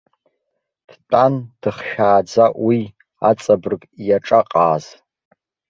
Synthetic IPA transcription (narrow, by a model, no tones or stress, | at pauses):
d̥tʼand̥ɨχʃᶣaːd͡zaʔwi | at͡sʼabɨrkʼjaʈ͡ʂʼaqʼaːz̥